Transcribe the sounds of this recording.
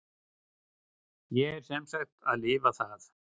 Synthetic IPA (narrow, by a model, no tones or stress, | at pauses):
jɛɛɾ̥sɛmsaxt̪aðlɪːvaθaθ